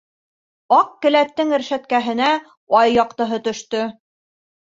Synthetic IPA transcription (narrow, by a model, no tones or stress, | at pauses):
ɑq̚kɘ̆læt̪ːɘŋɘ̆ɾʃæt̪̚kæɦɘ̆næ | ɑjːɑqt̪ɤ̆ɦɤt̪ɵ̆ʃt̪ɵ